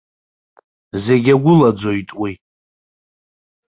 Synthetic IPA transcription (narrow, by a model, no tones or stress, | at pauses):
ze̞ɡʲaɡʷʊlad͡zo̞jtʼwi